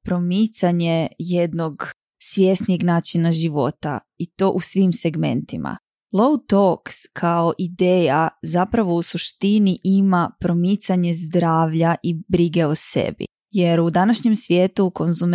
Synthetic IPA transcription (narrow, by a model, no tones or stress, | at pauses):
pɾo̞mit̪saɲe̞je̞d̪noɡ | sʋʲjest̪nijeɡnaːt͡ʃinaʒiʋo̞t̪a̰ | it̪o̞ːʔusʋimse̞ɡme̞̰nt̪imʔa̰ | lˠowt̪okskʰao̞ʔid̪eːjazapɾaʋo̞usuʃt̪iniʔimapɾo̞mit̪saɲe̞zd̪ɾaːʋʎaʔibɾiɡe̞osḛbḭ | je̞ɾud̪anaʃɲe̞msʋje̞ːt̪uko̞nzum